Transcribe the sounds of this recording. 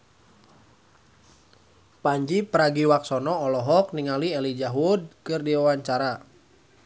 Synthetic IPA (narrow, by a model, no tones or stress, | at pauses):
paɲd͡ʒipəɾaɡiwak̚sɔnɔːlɔɦɔk̚niŋaliɛlid͡ʒaɦud̚kɨrdiwawaɲt͡ʃaɾa